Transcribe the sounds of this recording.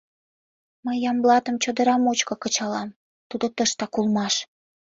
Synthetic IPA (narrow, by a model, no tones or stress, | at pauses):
məjːɑmblɑt̪əmt͡ɕod̪ə̆ɾɑmot͡ɕkokət͡ɕɑlɑm | t̪ud̪ot̪əʃt̪ɑkulmɑʃ